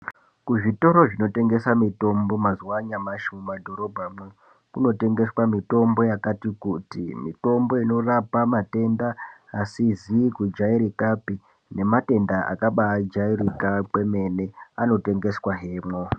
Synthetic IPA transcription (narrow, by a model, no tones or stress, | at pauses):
kuʐito̞ɾo̞ʐino̞te̞ŋɡe̞samito̞mbo̞mazuwaɲamaʃumadʱo̞ɾo̞bʱamwe | kuno̞te̞ŋɡe̞swamito̞mbo̞jakatikutḭmḭto̞mbo̞ino̞rapamate̞ndaːsizikud͡ʒaiɾikapi | ne̞mate̞ndaʔa̰kaɓaːd͡ʒairikapwe̞me̞ne̞ano̞te̞ŋɡe̞swaɦe̞ːmwo̞